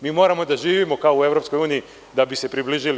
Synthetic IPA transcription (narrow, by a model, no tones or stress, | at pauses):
miːmo̞ːɾamo̞d̪aʒiːʋimo̞kaoue̞vɾo̞psko̞juːnii | d̪abise̞pɾibliʒili